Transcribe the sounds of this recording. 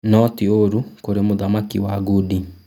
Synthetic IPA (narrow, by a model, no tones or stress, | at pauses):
nɔtioɾukoɾemoðamakiwaːɡudi